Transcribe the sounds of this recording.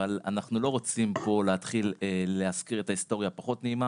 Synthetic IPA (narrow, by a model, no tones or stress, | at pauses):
ala̰naχnulo̞ʁot͡simpo̞leat̪χileːeaskiʁe̞t̪aist̪o̞ʁjapaχo̞t̪neima